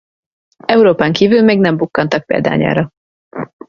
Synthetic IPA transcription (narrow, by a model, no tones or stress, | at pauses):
ɛuɾoːpaːŋkiːvylmeːɡnɛmbukːɒnt̪ɒk̚pḛːld̪a̰ːɲa̰ːɾɒ